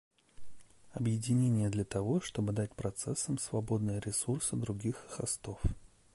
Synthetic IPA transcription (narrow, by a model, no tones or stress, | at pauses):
ɐbjɪdʲɪnʲenʲɪjəd̪lʲət̪ɐvo̞ʂt̪o̞bɨd̪at̚ʲpɾɐt̪sɛsːəmsvɐbo̞d̪nɨjəɾʲɪsursɨd̪ɾʊɡʲixxɐst̪o̞f